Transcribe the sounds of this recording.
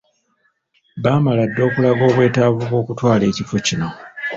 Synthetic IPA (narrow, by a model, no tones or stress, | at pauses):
βaːmaladːo̞ːkulaɡo̞ːβwe̞ːtaːβuβwo̞ːkutwaːle̞ːcifo̞cino̞